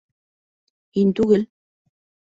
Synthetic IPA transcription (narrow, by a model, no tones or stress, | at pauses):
inʲt̪uɣɘ̆l